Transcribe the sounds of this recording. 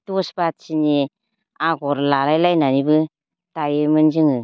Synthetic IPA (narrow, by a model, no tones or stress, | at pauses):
tusbat̚sini | aɡɔɾlaɾajlajnanibɯ | tajɯmɯnzɯŋɯ